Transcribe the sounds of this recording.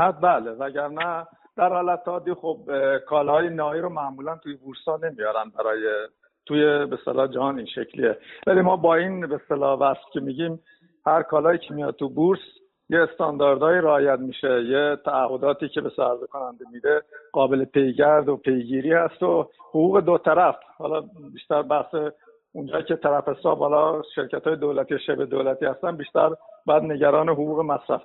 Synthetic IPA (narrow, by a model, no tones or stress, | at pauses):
hæt̪̚bæːlevæɟæɾnæ | d̪̥æɾhɒːlæt̪ʰːɒːd̪iːxob̚kʰɒːlɒːjenɒːiːɾomæʔmuːlænt̪ʰuːjebuɾshɒːne̞mijɒːɾænbæɾɒːje | t̪ʰuːjebest̪elɒːd͡ʒæhɒːninʃecʰlḭevælimɒːbɒːinbest̪elɒːvæscʰʲe̞miːɟiːm | hæɾkʰɒːlɒːjiːcʰemijɒ̰ːd̪̚t̪ubuɾs | jeːst̪ɒnd̪ɒɾd̪ɒːjiɾeɒːjæt̪miːʃejet̪ʰæːhːo̞d̪ɒːt̪ʰiːcʰe̞besæɾzekʰonænd̪emiːd̪eɢ̥ɒːbe̞lepʰe̞jɟæɾd̪opʰe̞jɟiːɾiːhæst̪ohoɣuːɣe̞d̪ot̪ʰæɾæfhɒːlɒːbiːʃt̪æɾbæhse | und͡ʒɒːjiːce̞t̪ʰæɾæfesɒːbhɒːlɒʃe̞ɾcʰæt̪hɒːjed̪olæt̪iːjeʃebed̪oːlæt̪ʰiːhæst̪ænbiːʃt̪æ̰ɾbɒjæd̪neɟæɾɒːneɦoɣuːɣemæsɾæ̰f